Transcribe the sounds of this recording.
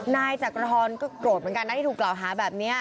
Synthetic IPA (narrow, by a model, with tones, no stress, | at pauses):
naː˧jt͡ɕaː˨˩kɾa˧tʰɔː˧nkɔː˥˩kɾu˨˩t̪̚mɯ˦ŋka˧na˦˥˩t̪iː˥˩u˨˩klaː˨˩wɦaː˩˦bɛː˨˩p̚ni˦˥ɐ